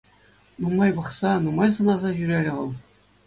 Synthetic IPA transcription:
numɑjbɤ̆χsɑnumɑjsɤ̆nɑzɑʑyɾʲeɾʲɘ̆ʁɤ̆lˠ

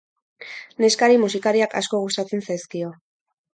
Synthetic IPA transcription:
ne̞skaɾimusikaɾiaka̰sko̞ɣust̪at͡se̞nsajskio̞

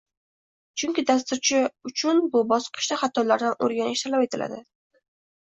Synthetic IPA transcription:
t͡ʃʰʊŋkʲɪd̪ast̪ʊɾt͡ʃʰɪʊt͡ʃʰʊnbʊbɒsqʰɨ̥ʃd̪aχɑt̪ʰɒlaɾd̪ano̰ɾɡʲanɪʃt̪ʰalape̞t̪ʰɪla̰d̪ɪ

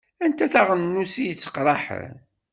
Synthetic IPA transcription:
ænt̪æθaʁənnːusijət͡sːə̥qɾˤɑħ

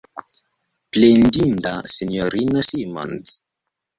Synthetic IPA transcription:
plend̪ind̪asinjoɾinasima̰ns

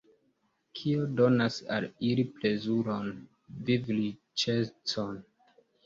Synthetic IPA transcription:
kʰiodo̞nasa̰liliple̞zuɾon | vivli | t͡ʃet͡son

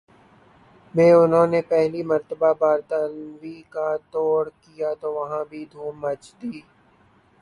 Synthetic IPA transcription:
mẽːʊnɦõːnepɛɦlimɐɾt̪əbabaːɾt̪ənʋikat̪ɔːɽkijat̪oːʋɐɦãbʱid̪ʱuːmət͡ʃd̪iː

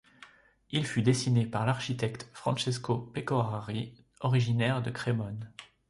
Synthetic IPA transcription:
ilfyd̪esinepaʁlaʁʃit̪ɛkt̪fχɑ̰̃ʃeskopekɔʁaʁi | ɔʁiʒinɛʁd̪əkχemɔn

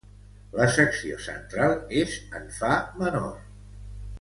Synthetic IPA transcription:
ləsəksio̰sə̰nt̪ɾalˠezəɱfaməno̰r

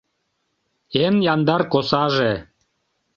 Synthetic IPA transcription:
enjɑnd̪ɑrkosɑʒe

